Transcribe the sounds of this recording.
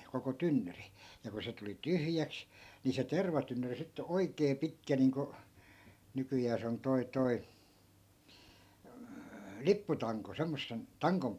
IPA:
koko tynːyri jɑ ku se tuli tyhjæks ni se terʋɑtynːyri sitːe oi̯keː pitkæ niːŋko nykyjæː se on toi toi lipːutɑŋko semːosːen tɑŋkom

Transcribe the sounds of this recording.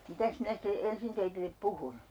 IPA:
mitæs minæ site ensin teitilːep puhun

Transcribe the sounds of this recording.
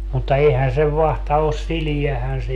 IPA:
mutːɑ eihæn seʋ ʋɑhtɑ os siliæhæn se

